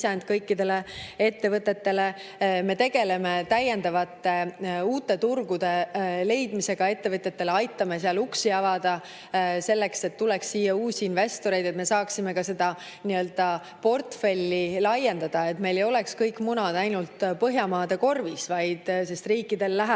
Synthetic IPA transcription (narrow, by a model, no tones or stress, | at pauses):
sɑnd̪̥kɤjkːid̪e̞lee̞t̪ːe̞vɤt̪ːˑe̞t̪ːe̞le̞me̞t̪e̞ɡ̥e̞le̞met̪æjːe̞nd̪̥ɑvɑt̪ːe̞uːt̪ːˑe̞t̪urɡud̪̥e̞le̞jd̪̥mise̞ɡ̥ɑe̞t̪ːe̞vɤt̪ːˑe̞t̪ːe̞leɑjt̪ːˑɑmeseɑluksiɑvɑd̪̥ɑ | se̞lːe̞kse̞t̪ːuleksːiːjːɑuːsʲiːnve̞st̪o̞ɾe̞jd̪et̪mesɑːksime̞kɑse̞d̪̥ɑ | niø̞ld̪̥ɑ | po̞rt̪fe̞lʲːilɑjːe̞nd̪ɑd̪̥ɑe̞t̪me̞jle̞jo̞le̞kskɤjkːmunɑd̪̥ɑjnult̪pɤɦjɑmɑːd̪̥e̞ko̞rvisvɑjd̪̥se̞st̪riːkˑːid̪e̞lːæɦæ